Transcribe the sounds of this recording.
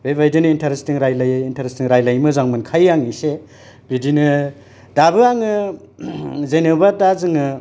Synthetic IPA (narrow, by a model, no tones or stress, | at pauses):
bebajdinintʰaɾestiŋɾajlajintaɾestiŋɾajlajmɯzaŋmɯnkʰajaŋise | bidinɯ | dabɯaŋɯ | zenebatazɯŋɯ